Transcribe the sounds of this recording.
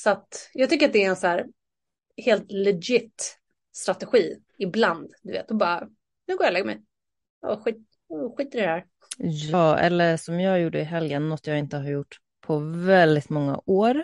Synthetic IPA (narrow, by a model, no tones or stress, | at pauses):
sat̪jɑːɡt̪ʰʏkːəɾat̪d̪ɛæɾɛnsæːɾ | heːlt̪lɛɡɪt̪ː | st̪ɾat̪ɛɧiː | ɪbland̪d̪ɵvḛːt̪ɔbɑːɾa | nʉːɡoːjalɛɡəmɛ̰j | ɔ̰ɧiːt̪ | ɧiːt̪əɾhæːɾ | jɑːɛ̰lːəʂɔmjɑːɡjuːɖəɪɦɛljənːɔt̪ːjɑːɡɪnt̪əhaɾjʊʈː | pʰɔvɛld̪ɪt̪mɔŋːa̰ʔoːɾ